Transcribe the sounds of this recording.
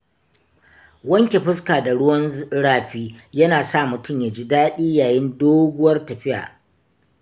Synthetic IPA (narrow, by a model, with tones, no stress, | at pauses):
wɐ˦ŋkʲe˨ɸɪ˦skaː˨da˨ɽʊ˦wɐ˦nɽaː˦ɸiː˦jɐ˦naː˨sa˦˨mʊ˨tʊ˦˨mjaː˨d͡ʒiː˦daː˦ɗiː˦jaː˨jɪ˦ndoː˦ɡʷʊ˦wɐ˦rtɐ˨ɸɪ˦ja̰ː˨